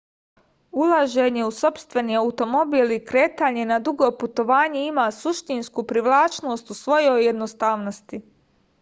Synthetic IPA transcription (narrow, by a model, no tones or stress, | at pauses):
ulˠaʒe̞ɲe̞uso̞pst̪ʋe̞niːaut̪o̞mo̞biːlikɾe̞ːt̪aːɲe̞nad̪uɡo̞put̪o̞ʋaːɲe̞imaːsuʃt̪inskupɾiʋlˠaːt͡ʃno̞ːst̪usʋo̞jo̞jːe̞d̪nost̪aːʋnost̪i